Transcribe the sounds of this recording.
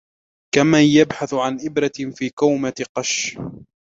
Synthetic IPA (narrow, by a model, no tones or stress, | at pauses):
kamajabħaθʕanʔɪbɾɑfiːkawmat̪ɪqɑʃ